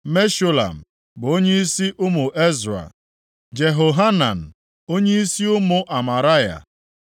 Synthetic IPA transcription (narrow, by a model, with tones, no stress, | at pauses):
me˦ʃo˦la̰˨m̩˨ | ɡ͡bo˦ɲe˦i˦si˦ʔʊ˦mʊ˨ʔe˦zɾa̰˨ | d͡ʒe˨ɦo˨ɦa˦na˨n̩˨ | o˦ɲe˦i˦si˦ʊ˦mʊ˨ʔa˨ma˨ɾa˦ja̰˨